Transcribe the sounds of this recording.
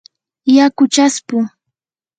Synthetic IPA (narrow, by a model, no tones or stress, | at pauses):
jakʊt͡ʃaspʊ